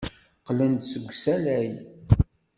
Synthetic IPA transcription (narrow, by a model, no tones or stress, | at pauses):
qlənd̪səɡʷsælæj